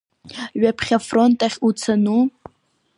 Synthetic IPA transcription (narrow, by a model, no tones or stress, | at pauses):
ɥapʰχʲafrontʼaχʲut͡sʰanu